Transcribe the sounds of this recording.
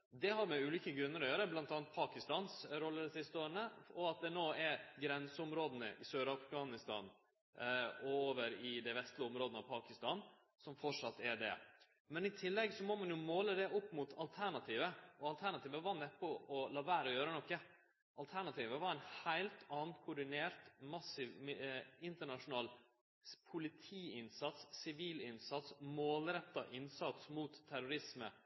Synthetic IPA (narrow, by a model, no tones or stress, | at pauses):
d̪ɛhɑɾmɛʉːliːkəɡɾʉnːəɾɔjøːɾəblɑnt̪ɑːnt̪̚pʰɑːkɪst̪ɑːnsɾɔlːəd̪ɛsɪst̪əoːənəɔɑt̪̚d̪ɛnoːɛɾɡɾɛnsəʊmɾoːd̪ənə̰ʔɪsøːɾɑfɡɑːnɪst̪ɑ̰ːn | ɔoːʋəɾɪd̪ɛɪʋɛst̪lɪʊmɾoːd̪ənəɑʋpʰɑːkɪst̪ɑːn | sɔmfɔʂɑt̪ːɛɖɛ̰ | mɛnɪt̪ʰɪlːɛɡsɔmɔmɑnjʊmoːləd̪ɛʔʊpːmʊt̪ʰɑlt̪ʰæɳɑt̪ʰiːʋəʔɔɑlt̪ʰæɳɑt̪iːʋəʋɑɾnɛpːɔʔɔlɑːʋæːɾəɔjøːɾənɔkːə | ʔɑlt̪ʰæɳɑt̪ʰiːʋəʋɑɾæɪnhæɪlt̪ɑːnkʰʊɖɪneːɾt̪mɑsɪʋɪnt̪əɳɑʂʊnɑːl | pʰʊlɪt̪ʰiːɪnsɑt̪ssɪʋiːlɪnsɑt̪smoːlɾɛt̪ːɑ̰ʔɪnsɑt̪smuːt̪ʰːæɾʊɾɪsmə̰